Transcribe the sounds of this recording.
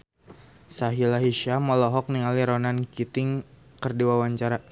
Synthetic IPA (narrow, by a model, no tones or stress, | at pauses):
saɦilaɦiʃamɔlɔɦɔk̚niŋaliɾɔnankit̪ɪŋ | kərdiwawaɲt͡ʃaɾa